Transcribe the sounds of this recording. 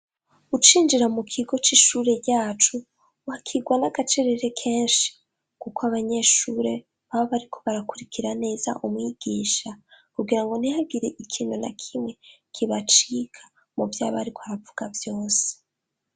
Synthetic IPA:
ut͡ʃiːnd͡ʒiɾamukʰiɡo̞t͡ʃiʃuːɾe̞ɟaːt͡ʃu | hakʰiɡwanaɡat͡ʃe̞ɾe̞ɾe̞kʰe̞ːnʃi̥ | kukoaβaɲe̞ʃuːɾe̞ | βaβoβaɾikʰo̞̥βaɾakuɾikiɾane̞ːza̰ʔumŋiɡ̥iːʃakuɡiɾaŋɡo̞nihaɡiɾe̞ʔikʰiːnuna̰kʰimŋe̞kʰiβat͡ʃikʰḁ | muvjaːβa̰ɾikʰoaɾavuɡ̥avjo̞ːse̥

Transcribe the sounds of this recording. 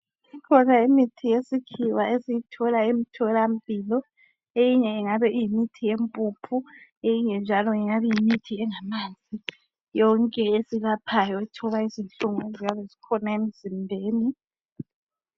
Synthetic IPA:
sikʰɔnaimitʰijesikʰiwaesijitʰɔlaemitʰɔlam̩pʼilɔ | ejiɲɛɛŋaβɛʔijimitʰijempʼupʰuejiɲɛnd͡ʒʱalɔɛŋaβɛjimitʰiɛŋamand͡zʼʱi | jɔŋkʼɛesiɣapʰajɔɛtʰɔβaizinɬuŋɔeziɣaβɛzi̥kʰɔnaemizimbʱeːni

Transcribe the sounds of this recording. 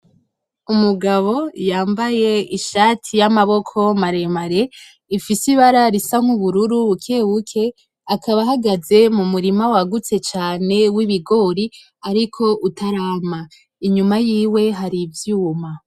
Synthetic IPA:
umuɡaβo̞jaːmbaje̞iʃaːtʰijamaβo̞kʰo̞maɾe̞maɾe̞ | ifisiβaɾaɾisaŋ̥huβuɾuɾuukʰeːwukʰe̞ | akʰaβaɦaɡaze̞mumuɾimawaɡut͡se̞t͡ʃaːne̞wiβiɡo̞ɾi | aɾikʰo̞ʔutʰaɾaːma | iɲumajiːwe̞ɦaɾivjuːma

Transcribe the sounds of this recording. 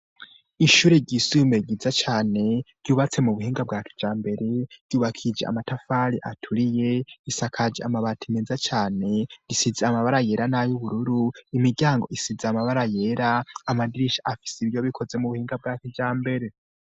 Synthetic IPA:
iʃuːɾeɟisuːmbe̞ɟizat͡ʃaːne̞ɾɟuːβat͡se̞muβuhiːŋɡab̚ɡaːki̥d͡ʒaːmbe̞ɾe̞̥ɟ̥uːβakʰid͡ʒḛʔa̰matafaːɾiʔatʰuɾije̞isakʰad͡ʒeamaβatʰimeːzat͡ʃaːne̞disizeamaβaɾaje̞ːɾanajuβuɾuɾuimiɟaːŋɡo̞̰ʔisizeamaβaɾajeɾaːmadiɾiʃaʔafi̥siβjoβikʰo̞ze̞muβuhiːŋɡab̚ɡaːkid͡ʒaːmbe̞ɾe̞

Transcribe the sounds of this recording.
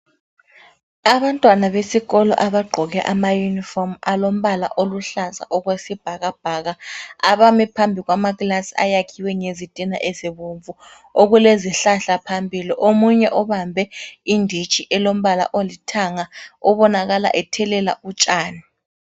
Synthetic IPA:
aβantʼwanaβesiɣɔlɔ̰ʔaβaɡ͡ǃʱɔɣɛʔamajunifɔrmalom̩βala̰ʔoluɬaza̰ʔɔɣwesib̥ʱaɣab̥ʱaɣaaβamɛpʰambʱiɣwamaɣlasia̰jakʰiwɛŋezitʼina̰ʔeziβoɱvu | oɣuleziɬaɬapʰambʱiliʔomuɲɛʔɔβambʱɛindʱit͡ʃʼiʔɛlom̩βala̰ʔolitʰaŋaɔβɔnaɣala̰ʔɛtʰɛlɛla̰ʔut͡ʃʼaːni

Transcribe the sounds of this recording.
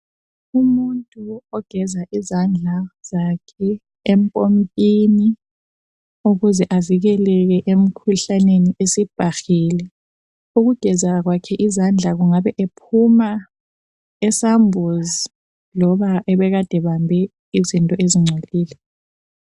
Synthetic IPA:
umuntʼuɔɡ̥ʱɛzaʔizand͡ɮʱaz̥akʰɛ | em̩kʼompʼini | uɣuzɛʔaviɣɛlɛɣɛʔem̩kʰuɬaneniesib̥ʱaxiːlɛ | uɣuɡ̥ʱɛzaɣwakʰɛʔizand͡ɮʱaɣuŋaβɛʔepʰuma | ɛsambʱozi | lɔβaʔɛβɛɣad̥ʱɛβambʱɛ | izintʼɔeziŋ͡ǀʱaliːlɛ

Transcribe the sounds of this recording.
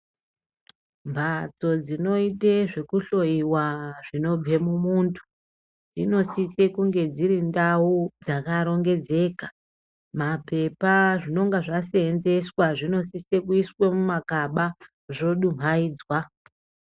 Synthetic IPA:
mbʱat͡so̞d͡zino̞iteʐe̞kuɬo̞iwaʐino̞b͡vʱe̞mumuːntʰu̥ | d͡zḭno̞sise̞kuŋɡe̞d͡ziɾindaud͡zakaɾo̞ŋɡe̞d͡ze̞ːka | mape̞paʐino̞ŋɡaʐaseːnze̞swaʐino̞sise̞k̬uiswemumakaɓa | ʐo̞ɗum̤aiːd͡zwa

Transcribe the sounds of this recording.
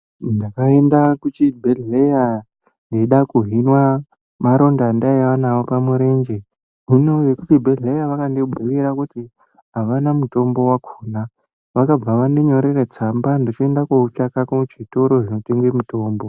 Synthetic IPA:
ndakae̞ndakut͡ʃibʱeɮeja | ndeiɗakuɦinwa | maɾo̞ndandaiaʋanawopamuɾe̞nd͡ʒe | ɦinojekutibʱeɮejaʋakandibʱuʋiɾakuti | ɦaʋanamuto̞mbo̞wakʰuːna | ʋakab͡vaʋaneɲo̞ɾeret͡sambandot͡ʃie̞ndakweut͡ʃakakouʐito̞ɾo̞ʐino̞teŋɡwemuto̞ːmbo̞

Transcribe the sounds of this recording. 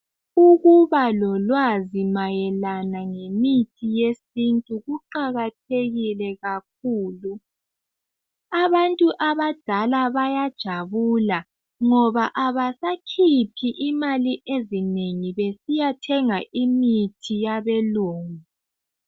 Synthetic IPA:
uɣuβalɔlwazimajɛlanaŋemitʰijesintʼuɣuǃaɣatʰeɣilɛɣak̚ʰuːlu | aβantʼuʔaβad̥ʱalaβajad̥ʒ̥ʱaβula | ŋɔβaʔaβasakʰipʰiʔimaliʔezineŋiβesijatʰɛŋaʔimitʰijaβɛloːŋu

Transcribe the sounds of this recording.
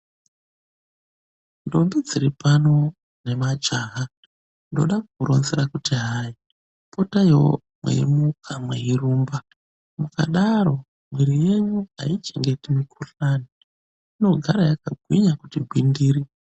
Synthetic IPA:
ndombid͡ziɾipano̞ | ne̞mad͡ʒaɦa | ndo̞̰ɗakuuɾo̞̰nzeɾakutiɦai | potajo̰ | mwḛḭmukʰamwḛiɾuːmba | muka̰ɗaɾo̞ | mwiɾije̞ɲua̰it͡ʃeŋɡe̞timikʰuɬani | ino̞ɡʱaɾajakaɡʱwiɲakutibʱindiːri

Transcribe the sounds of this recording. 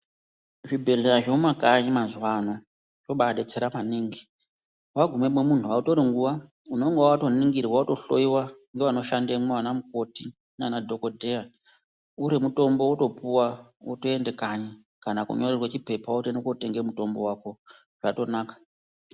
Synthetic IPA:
ʐibʱe̞ɮeaʐoumakaɲimazwano̞ | to̞ɓaɗe̞t͡se̞ɾamaniːŋɡi | waɡʱume̞mwemuntʰuauto̞ɾiŋɡuʋa | unoŋɡewato̞niŋɡiɾiwauto̞ɬoiwaŋɡewano̞ʃandemwewanamuko̞ti | nanadʱo̞ko̞dʱeja | uɾimuto̞mbo̞woto̞puwawoto̞ende̞kaɲi | kanakṵɲo̞rerwat͡ʃipe̞paotenokoteŋɡemuto̞mbo̞wako̞ | ʐ̥ato̞naːkḁ

